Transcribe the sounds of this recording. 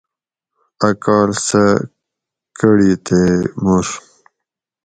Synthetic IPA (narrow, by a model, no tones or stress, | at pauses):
ɐkɑːlsə | kəɽit̪emuʂ